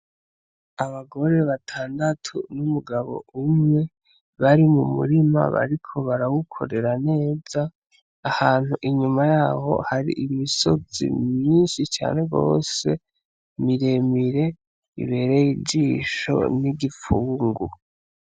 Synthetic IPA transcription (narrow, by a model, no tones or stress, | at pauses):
aβaɡo̞ɾe̞βatʰaːndatʰunumuɡaβo̞̰umŋe̞ | βaɾimumṵɾima̰βa̰ɾikʰo̞βaɾawukʰo̞̰ɾe̞ɾane̞ːz̥aː | haːn̥huʔiɲumajaːho̞̰haɾḭʔimiso̞zḭminʃit͡ʃa̰ːne̞ɡo̞̰ːse̞ | miɾe̞miɾe̞ | ḭβe̞ɾe̞jiɟiːʃo̞̰niɡifuːŋɡu